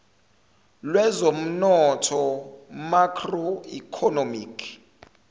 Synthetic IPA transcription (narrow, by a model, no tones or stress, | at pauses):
lwɛzom̩nɔtʰɔmakʰroikʰɔnomikʰ